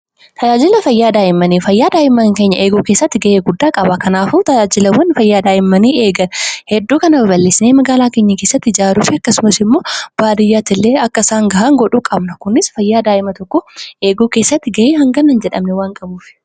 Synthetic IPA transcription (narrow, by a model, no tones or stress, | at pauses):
t̪ʰɐd͡ʒaːd͡ʒɪlɐfɐjːaːd̪aːʔɪmːɐniːfɐjːaːd̪aːʔɪmɐŋke̞ːɲːɐʔeːɡuːkeːsːɐt̪ːɪɡɐʔeːɡʊd̪ːaːkʼɐbɐkɐnaːfuːt̪ɐd͡ʒaːd͡ʒɪlɐwːɐnfɐjːaːd̪aːʔɪmːɐniːe̞ːɡɐnhɛd̪ːuːkɐnɐbɐbɐlːɪsneːmɐɡaːlaːke̞ːɲːɐke̞ːsːɐt̪ːɪɪd͡ʒaːɾuːfɪɐkːɐsʊmɐsɪmːo̞ːb̥aːd̪ɪjːaːt̪ɪlːeːɐkːɐsaːŋɡɐɦɐŋɡɔᶑuːkʼɐbnɐkʊnɪsfɐjːaːd̪aːʔɪmɐt̪ɔkːɔʔe̞ːɡuːkeːsːɐt̪ːɪɡɐʔeːhɐŋɡɐnɐnd͡ʒɛᶑɐmnɛwaːŋkʼɐbuːfɪ̥